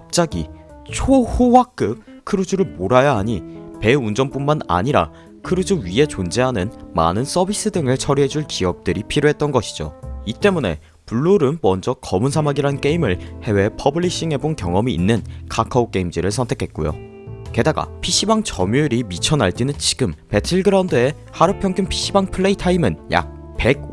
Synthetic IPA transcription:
kap̚t͡ɕ͈aɡi | t͡ɕʰohowak͈ɯp̚ | kʰɯɾud͡ʑuɾɯɭmoɾajaɦaɲipe̞und͡ʑʌnp͈unmana̰ɲiɾa̰ | kʰɯɾud͡ʑuɥiɦe̞t͡ɕond͡ʑe̞ɦanɯnma̰nɯns͈ʌbis͈ɯdɯŋɯɭt͡ɕʰʌɾiɦe̞d͡ʑuɭkiʌp̚t͈ɯɾipʰiɾjoɦe̞t̚t͈ʌnɡʌɕʰi̥d͡ʑo̰it͈e̞mune̞̰ | puɭːuɾɯnmʌnd͡ʑʌkʌmuns̬ʰamaɡiɾank͈e̞imɯɭhe̞we̞pʰʌbɯɭːiɕ͈iŋɦe̞bonkjʌŋʌmḭːnːɯnkʰakʰaok͈e̞imd͡ʑiɾɯɭsʰʌntʰe̞kʰe̞t̚k͈ojo̰ | ke̞daɡa̰pʰiɕ͈ʰibaŋt͡ɕʌmjuɾimit͡ɕʰʌnaɭt͡ɕ͈inɯnt͡ɕi̥ɡɯmpe̞tʰiɭɡɯɾaundɯe̞ | haɾɯpʰjʌŋkʰumpʰi̥ɕ͈ʰibaŋpʰɯɭːe̞itʰaimɯnja̰k̚ | pe̞ɡ̚

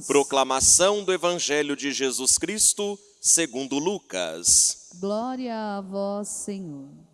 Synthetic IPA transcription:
pɾoklamasɐ̃w̃d̪ʊevɐ̃ʒɛljʊd͡ʒɪʒezuskɾist̪ʊ | seɡũnd̪ʊlukɐ̰sɡlɔɾiɐːvɔsːeɲoɾ

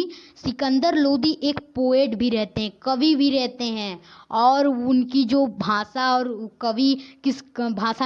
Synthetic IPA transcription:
sɪkə̃nd̪əɾloːd̪iʔeːkpoːeːʈbʱiɾɛɦt̪eɦɛ̃kɐʋibʱiɾɛɦt̪eɦɛ̃ːɔːɾʊnkid͡ʒoːbʱaːsaɔːɾkɐʋikɪsbʱaːsa

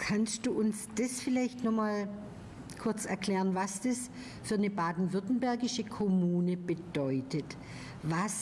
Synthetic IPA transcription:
kʰanstd̥uːʔʊnsd̥ɐsfɪlaɪçtnɔχmaːl | kʰʊɐt͡sɛɐkl̥ɛːʁənvasd̥ɐs | fyːɐnəbaːdn̩vʏɐtn̩bɛɐɡɪʃəkʰɔmuːnəbəd̥ɔʏtʰət | vas

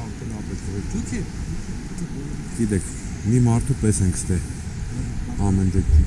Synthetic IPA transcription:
ɑɾk̪ənɑpɛsɛɾd̪ukʰɛ | ɡ̥id̪ɛkʰ | mimɑɾt̪ʰupɛsɛŋkʰst̪ɛ | ɑmɛnd̪ɛ

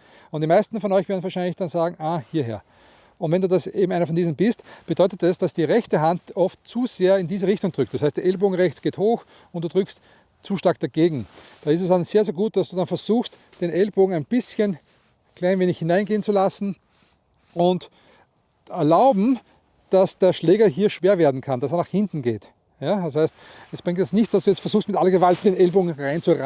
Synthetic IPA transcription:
ʊnt̚d̥imaɪstn̩fɔnɔʏçvɛːɐdn̩vaɐʃæɪnlɪçd̥anzaːɡŋ̩ʔaːhiːɐɦḛːɐ | ʔʊntvɛnduːdaseːbm̩æɪnɐfɔndiːzn̩bɪstb̥ədɔʏtətɛsd̥asd̥iːʁɛçtəɦantɔftt͡suz̥eːɐɪndiːzəʁɪçtʊŋd̥ʁʏktd̥ashæɪstd̥ɛɐɛlboːɡŋ̩ʁɛçt͡sɡ̥eːthoːx | ʊnt̚d̥uːd̥ʁʏkst | t͡suːʃtaɐk̚d̥aɡ̥eːɡŋ̩d̥aːɪstɛsdanz̥eːɐzeːɐɡuːt̚d̥asd̥uːdanfɛɐzuːxst | d̥eːnʔɛlboːɡŋ̩æɪnb̥ɪsçən | kʰl̥aɪnveːnɪçhɪnãɪnɡeːənt͡sulasn̩ | ʔʊnt | ɛɐlaʊbm̩ | d̥asd̥eːɐʃlɛːɡɐɦiːɐʃv̥eːɐveːɐdn̩kʰand̥asɛɐnaːχhɪ̃ntn̩ɡḛːt | jadashaɪstɛsb̥ʁɪŋtjɛt͡stnɪçtt͡ssd̥asd̥uːjɛt͡stfɛɐz̥uːxstmɪtʔalɐɡəvaltd̥eːnɛlboːɡŋ̩ʁãɪnt͡suʁ

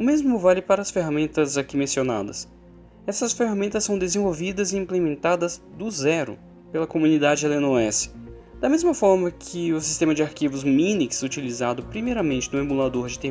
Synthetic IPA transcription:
ʊmezmʊvalɪpaɾɐːsfeɦamẽnt̪ɐzakimẽsiona̰d̪ɐ̰s | ɛsɐsfeɦamẽnt̪ɐsːɐ̃w̃d̪ezẽvowvid̪ɐzɪĩplemẽnt̪ad̪ɐzd̪ʊzɛɾʊ̰ | pelɐkomũnid̪ad͡ʒɪɛlenoɛsɪ̥ | d̪̥ɐmezmɐfɔɾmɐkʰɪʊsi̥st̪ẽmɐd͡ʒɪaɾkivʊzmĩniksut͡ʃilizad̪ʊpɾimejɾɐmẽt͡ʃɪnʊemulad̪oɾd͡ʒɪt̪e

